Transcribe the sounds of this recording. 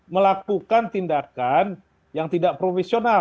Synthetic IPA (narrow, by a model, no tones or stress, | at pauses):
məlak̚ukant̪indakan | jaŋt̪idaʔpɾofesiona